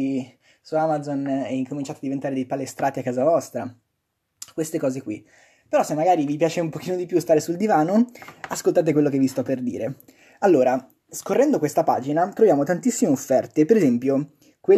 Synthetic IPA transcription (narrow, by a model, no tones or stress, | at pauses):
i | suamad̪zonɛiŋkomint͡ʃaːt̪oad̪ivent̪aːɾed̪ejpalest̪ɾaːt̪iakːaːzavɔst̪ɾa | kwest̪ekɔːzekwi | peɾɔsemːaɡaːɾivipjaːt͡ʃeumpokiːnod̪ipjust̪aːɾesuld̪ivaːnoaskolt̪aːt̪̬ekwelːokevːist̪ɔpːerd̪ḭːɾe | alːoːɾa | skorːɛnd̪okwest̪apa̰ːd͡ʒinat̪ɾovjaːmot̪ant̪isːimeofːɛrt̪epeɾezɛmpjo | kwe